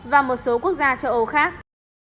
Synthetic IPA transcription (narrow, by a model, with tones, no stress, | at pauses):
vaː˨˩mo˨˩t̚so˨˦ku˦˥ək̚zaː˧t͡ɕə˧wʔo˧˩xaː˦˥k̚